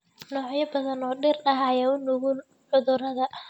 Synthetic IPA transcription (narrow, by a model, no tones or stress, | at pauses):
nɔːʕjɐbɐðɐnɔːɖɪrɐɦajɐʊnʊɣʊn | ʕʊðʊɾɐðɐ